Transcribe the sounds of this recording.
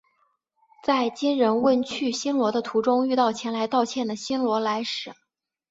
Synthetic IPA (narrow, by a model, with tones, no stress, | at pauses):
t͡sa˥˩ɪt͡ɕi˥nɻə˧˥nwə˥˧nt͡ɕʰy˥˩ɕi˥nlwɔ˧˥d̪ə˧t̪ʰu˧˥ʈ͡ʂʊ˥ŋy˥˧t̪ɑ˥˩ʊt͡ɕʰjɛ˧˥nla˧˥ɪt̪ɑ˥˧ʊt͡ɕʰjɛ˥˩nd̪ə˩ɕi˥nlwɔ˧˥la˧˥ɪʂɻ̩˨˩˦